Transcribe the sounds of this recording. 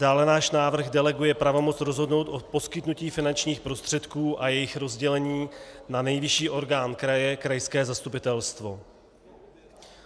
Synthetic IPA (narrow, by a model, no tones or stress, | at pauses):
d̥aːlɛnaːʃnaːvr̩ɣdɛlɛɡujɛpɾavo̞mo̞t͡sɾo̞zɦo̞dno̞wt̪ʔopo̞skɪt̪nuciːfɪnant͡ʃɲiːxpɾo̞st̪r̥ɛt̪kuːʔajɛjɪxɾo̞zɟɛlɛɲiːnanɛjvɪʃiːʔo̞ɾɡaːnkɾajɛkɾajskɛːzast̪upɪt̪ɛlst̪vo̞